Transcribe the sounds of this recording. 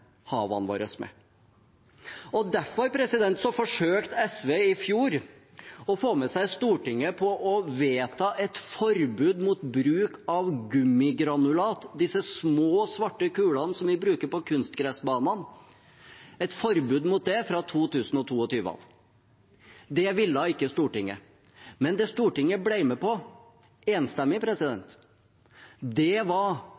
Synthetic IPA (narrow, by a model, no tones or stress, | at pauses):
hɑːʋɑ̰nʋɑ̰ːɾəsmɛ̰ | ɔd̪æfɔɾɑɾpʰɾɛsɪd̪ɛnt̪sɔfɔʂøːkt̪ɛsʋeːɪfjuːɾ | ɔfoːmɛsæɪst̪uːʈɪŋːəpʰɔʔɔʋeːt̪ʰɑːʔɛt̪fɔɾbʉːd̪muːt̪bɾʉːkɑʋɡʉmːɪɡɾɑnʉlɑːt̪d̪ɪsːəsmoːsʋɑʈːəkʉːlɑn̩sɔmʋɪbɾʉːkəɾpɔkʰʉnst̪ɡɾɛsbɑːnɑn | ɛt̪fɔɾbʉːd̪mʊt̪̚d̪ɛfɾɑt̪ʰuːt̪ʰʉːsn̩ɔt̪ʰuːɔt̪ʰyːʋəɑ̰ʋ | d̪ɛʋɪlːɑɪkːəst̪uːʈɪŋːə̰ | mɛnd̪ɛst̪uːʈɪŋːəblæɪmɛpɔ | eːnst̪ɛmːɪpʰɾɛsɪd̪ɛnt̪ | d̪ɛʋɑɾ